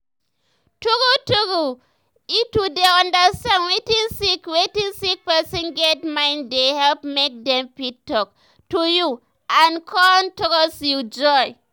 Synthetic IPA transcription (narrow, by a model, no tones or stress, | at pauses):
tuɡutuɡu | itudeɔ̃ndastãnwetinsikwetinsik̚pɛsɔ̃nɡɛtmaɪndehɛlpmek̚dɛmpik̚tːɔk̚ | tuju | ankʰɔntɔkɔsud͡ʒɔj